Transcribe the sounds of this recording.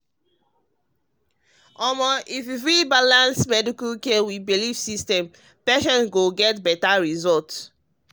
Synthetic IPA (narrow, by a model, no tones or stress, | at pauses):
ɔmɔʔififɹibalãnsmɛdikalkɛwibilifsistɛ̃m | pɛʃɔ̃nɡoɡɛtbɛtaɹizɔlt